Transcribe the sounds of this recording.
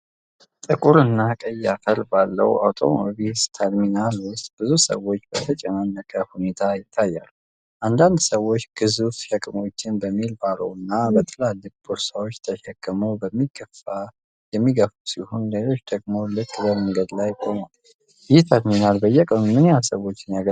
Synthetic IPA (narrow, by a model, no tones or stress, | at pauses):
t̪ʼɨkʼuɾɨnːakʼəjat̪ʰəɾbalːə̰wa̰wt̪ʰo̞̰mo̰bist̪ʰəɾminalwʊst̪ʼb̥ɨzusə̰wo̞t͡ʃːbət̪ʰət͡ʃʼɛnanːəkʼəhune̞t̪ʰajɪt̪ʰːajːa̰lu | ʔand̪and̪səwo̞t͡ʃːɡ̥ɨzufʃɛkʼmo̞t͡ʃːɪnbəmːilbaɾə̰wɨnːabət̪ʰəlalːɨfbuɾsawot͡ʃːt̪ʰəʃɛkʼːɨməwbəmːiɡəfa | jɛmːiɡəfusihonləlo̞t͡ʃːd̪əɡmo̞lɨkʼːbəməŋɡəd̪lajkʼo̞mal | jɛt̪ʰəɾminalbəjɛkʼənumɨnjasəwo̞t͡ʃːɪnjaɡə